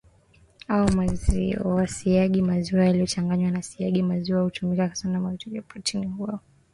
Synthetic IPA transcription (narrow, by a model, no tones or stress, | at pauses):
aɔmaziɔwasiaɠimaziwajalijɔt͡ʃaŋɡaɲwanasiaɠimaziwahutumikakḁsanamaitʰɔʄɔpʰatʰimuɔ